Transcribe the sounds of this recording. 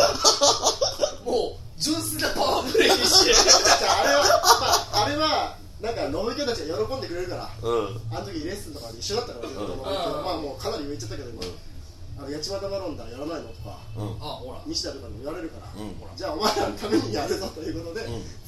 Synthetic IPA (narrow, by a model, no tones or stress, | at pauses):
moː | d͡ʑɨ̃ːsɨɡapaabɯɾe | d͡ʑaːɾe̞βamaːɾe̞βa | nãŋkano̞moikʲet̪at͡ɕiɡajo̞ɾo̞kõ̞nd̪e̞kɯ̟ɾe̞ɾɯ̟kaɾa̰anot̪okʲiɲiɾesɨ̥sɨ̃nt̪o̞kad̪eiɕːo̞d̪at̪ːakaβaseɾt̪omoeomamo̞ːkanaɾʲimait͡ɕːat̪ːake̞d̪omo̰ | anojat͡ɕimat̪anaɾõ̞nd̪aɾajaɾanaino̞t̪o̞ka̰ | ɲiɕid̪at̪ok̪aɲiiβaɾe̞ɾɯ̟kaɾa̰d͡ʑaːo̞maeβak̪ʰabeɲʲiɲʲiaɾɯ̟zot̪ojɯko̞t̪o̞d̪e̞